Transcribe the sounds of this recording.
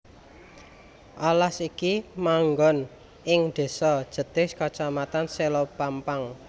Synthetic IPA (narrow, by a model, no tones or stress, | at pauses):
ʔalasikimaŋɡɔn | ɪŋɖ̪̥e̤sɔd̥ʒ̥ə̤t̪ɪskat͡ʃamat̪anselopampaŋ